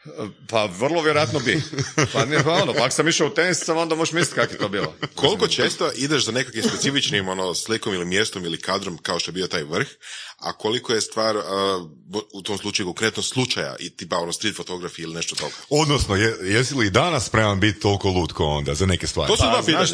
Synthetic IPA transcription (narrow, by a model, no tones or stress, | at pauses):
paʋr̩lˠoʋjeɾojat̪nobipanixalnoaksamiʃaut̪enissamo̞nd̪amoʒʃmislʲit̪kakojet̪oːbiːlo̰kʰolkot͡ʃeːst̪oʔid̪eʃzanekakimsspe̞sifit͡ʃnimonosliko̞milimjest̪o̞milikad̪ɾo̞mkaoʃt̪o̞jebiot̪aːjʋr̩xa̰kolikojest̪ʋaːɾə | but̪omslˠut͡ʃajuko̞ŋkɾet̪nosslˠut͡ʃaja̰ʔit̪ipao̞nost̪ɾit̪fot̪o̞ɡɾafjeilineʃt̪ot̪o̞̰ɡaod̪nosnojejesilid̪anasːpɾemanbit̪̚t̪o̞lkolˠuːt̪koo̞nd̪azane̞kest̪ʋa̰ːɾosud̪apia